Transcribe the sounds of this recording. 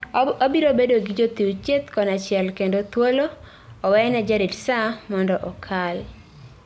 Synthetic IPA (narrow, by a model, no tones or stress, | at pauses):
obiɾobedoɡɪd͡ʒot̪iwt͡ʃet̪kɔnat͡ʃɪɛlkendot̪woloː | wɛnɛd͡ʒaɾidsamɔndɔʔɔkʰal